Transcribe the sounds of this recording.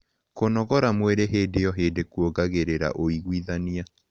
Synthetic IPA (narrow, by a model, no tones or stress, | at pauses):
konɔɣɔɾamweɾeɦeːdejɔɦeːdekuoɡaɣeɾeɾa̰ʔoiɣwiðania